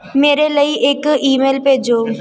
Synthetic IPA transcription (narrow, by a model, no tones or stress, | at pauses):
meːɾeləiʔeːkiːmeːlpeːd͡ʒoː